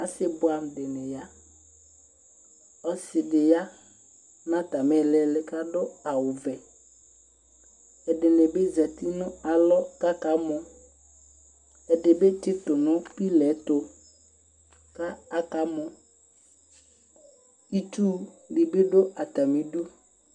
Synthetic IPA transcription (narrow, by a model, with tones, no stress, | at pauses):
a˨sɪ˦bʊ˦a˨mdɪ˨nɛ˨ja˦ | ɔ˦sɪ˨dɪ˨ja˦ | nã˦ta˨mɛ˨lɛ˨lɪ˨ka˦dʊ˦a˨wʊ˨vɛ˨ | ɛ˨dɪ˨nɛ˨be˦za˨t̪i˦nʊ̃˦a˨lɔ˦ka˦ka˨˦mʊ˨ | ɛ˨dɪ˨be˦t͡ʃɪ˦t̪ʊ˨nʊ̃˦pi˦lɛ˨˦to˨ | ka˦a˨ka˦mʊ̃˨ | i˦tuː˦ | di˨bɪ˦ɖʊ˦a˨t̪a˨mĩ˨du˦